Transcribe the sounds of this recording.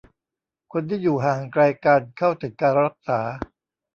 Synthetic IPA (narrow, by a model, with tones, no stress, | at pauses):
kʰo˧nt̪ʰiː˥˩juː˨˩ɦaː˨˩ŋkɾaː˧jkaː˧nkʰa˥˩wt̪e˨˩t̪̚kaː˧na˧a˦˥˩k̚saː˩˦